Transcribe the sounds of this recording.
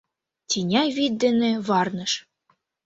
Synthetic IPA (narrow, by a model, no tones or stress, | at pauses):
t̪ʲinʲɑjβit̪̚d̪ɘ̆nĕβɑrnɤ̆ʃ